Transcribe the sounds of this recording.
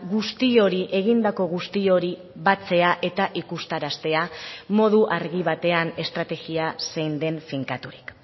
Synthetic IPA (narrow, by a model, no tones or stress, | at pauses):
ɣust̪io̞ɾiʔe̞ɣ̞ind̪ako̞ɣ̞ust̪io̞ɾi | βat͡se̞aʔe̞t̪aʔikust̪aɾast̪e̞amo̞ð̞uʔaɾɣiβ̞at̪e̞ane̞st̪ɾat̪e̞ɣiasejnd̪e̞ɱfiŋkat̪uɾi̥k